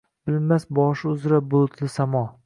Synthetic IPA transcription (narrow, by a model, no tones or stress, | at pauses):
b̥ɪlmasbɒʃɪʊzɾabʊlˠt̪ʰlɪsamɒ